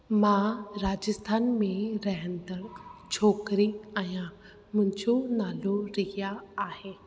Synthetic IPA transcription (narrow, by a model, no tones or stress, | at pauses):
mãɾaːd͡ʑəst̪ʰaːnmẽɾɐɦə̃nd̪əɾt͡ɕʰoːkɾiãjã | mʊ̃ɦɪ̃ɲd͡ʑonaːloɾɐɦijaːɦeː